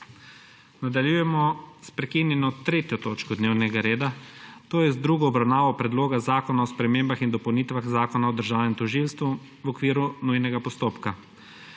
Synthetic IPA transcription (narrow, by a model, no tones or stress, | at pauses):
nad̪aljujɛmɔspɾɛkinjɛnɔt̪ɾeːt̪jɔt̪oːt͡ʃkɔd̪neːwnɛɡaɾeːd̪at̪oːjɛzd̪ɾuɡɔːbɾawnaːʋɔpɾɛd̪loːɡazaːkɔnaɔspɾɛmeːmbaxind̪ɔpowniːt̪ʋaxzaːkɔnaɔd̪əɾʒaːwnɛmt̪ɔʒilst̪ʋu | wɔkʋiːɾunujnɛɡapɔst̪oːpka